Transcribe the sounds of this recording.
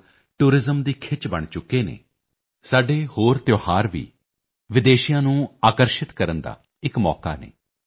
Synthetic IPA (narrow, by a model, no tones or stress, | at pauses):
ʈuːɾɪzəmd̪iːkʰɪt͡ʃbə̰ɳt͡ʃʊkːeːnḛː | saːɖeːhoːɾt̪joːhaːɾʋḭː | ʋɪd̪eːʃɪjãːnũːaːkəɾʃɪt̪kəɾənd̪a̰ː | ɪkmɔ̰ːka̰ːnḛː